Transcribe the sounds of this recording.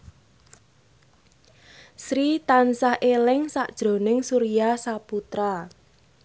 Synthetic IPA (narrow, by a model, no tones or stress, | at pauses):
sɾit̪ansahʔelɪŋsaʔd̥ʒ̥ɾo̤nɪŋsuɾijasaput̪ɾa